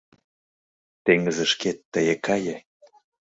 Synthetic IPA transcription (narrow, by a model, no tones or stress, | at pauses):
t̪eŋəzĕʃket̪ːəjĕkɑjĕ